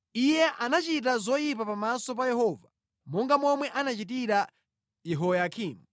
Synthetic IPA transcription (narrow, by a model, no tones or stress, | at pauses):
ijɛʔanat͡ʃit̬azɔjip̬apamasɔp̬ajɛɦɔːva | mɔŋɡamɔmwɛʔanat͡ʃit̬iɾa | jɛɦɔjakʰiːmu